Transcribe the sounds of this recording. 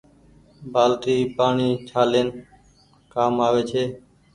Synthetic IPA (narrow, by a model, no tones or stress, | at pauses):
bʱaːlʈ̪iːpaːɳiːt͡ʃʰaːleːn | kaːmaːʋeːt͡ʃʰeː